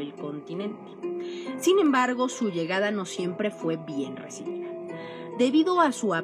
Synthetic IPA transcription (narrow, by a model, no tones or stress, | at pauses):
elko̞nt̪inẽ̞nt̪e̥sinẽ̞mbaɾɣo̞suʝe̞ɣaðano̞sje̞mpɾe̞fwe̞βje̞nrḛsiβiða | d̪e̞βiðo̞asua